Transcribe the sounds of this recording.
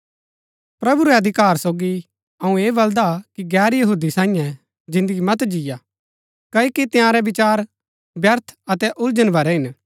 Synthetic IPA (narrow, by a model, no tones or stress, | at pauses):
pɾɐbuɾɛɐd̪ʱɪkaːɾsoːɡi | ɐũeːbɐld̪akiɡɛːɾjɐɦuːd̪isãːĩjɛ̃ | d͡ʒɪ̃nd̪əɡimɐt̪d͡ʒɪja | kɐikit̪ɪjãːɾɛbɪt͡ʃaːɾ | bjɐɾt̪ʰɐt̪ɛʔʊld͡ʒənbɐɾɛɦɪn